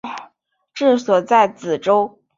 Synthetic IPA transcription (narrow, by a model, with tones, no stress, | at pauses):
ʈ͡ʂɻ̩˥˩swɔ˨˩t͡sa˥˩ɪt͡sɹ̩˨˩ʈ͡ʂo˥ʊ